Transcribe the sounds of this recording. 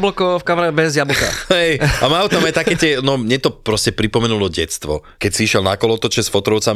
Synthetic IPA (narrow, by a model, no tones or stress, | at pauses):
blɔkɔfkamɾabɛzjablɔka̰hɛjamaʊt̪amajt̪akɛːtɪɛnɔmɲɛt̪ɔpɾɔscɛpɾipɔmɛnulɔɟɛt̪st̪ʋɔ̰ | kɛcsiiʃɛlna̰kɔlɔɔt̪ɔt͡ʃɛsfɔt̪ɾɔʊt͡sam